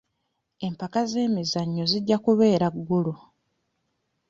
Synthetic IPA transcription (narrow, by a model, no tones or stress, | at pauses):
e̞mpakaze̞ːmizaɲːo̞ziɟːakuβe̞ːɾaɡːulu